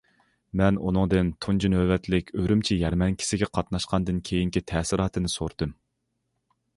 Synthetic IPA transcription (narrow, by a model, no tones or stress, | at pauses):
mɛnṵnɨŋd̪ɨnt̪ʰund͡ʒinøwɛt̪lɪkʲʰøɾymt͡ʃʰijɛɾmɛnkʲʰɪ̥sɪɡʲɛqʰɑt̪nɑʃqʰɑnd̪ɨnkʲʰejiŋkʲit̪ʰɛːsɪɾɑːt̪ʰɨnɨso̰ɾd̪̥ɨm